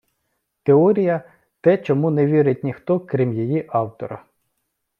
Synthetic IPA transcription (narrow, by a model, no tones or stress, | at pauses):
t̪eɔɾʲijɐ | t̪ɛt͡ʃɔmunɛʋʲiɾɪt̚ʲnʲixt̪ɔkɾʲimjijiʔɑwt̪ɔ̰ɾɐ̰